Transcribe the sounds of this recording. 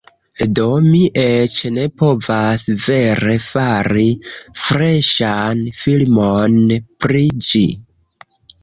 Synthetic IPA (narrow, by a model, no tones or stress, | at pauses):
do̞miʔet͡ʃne̞po̞vasve̞ɾe̞faɾifɾe̞ʃanfilmonpɾid͡ʒi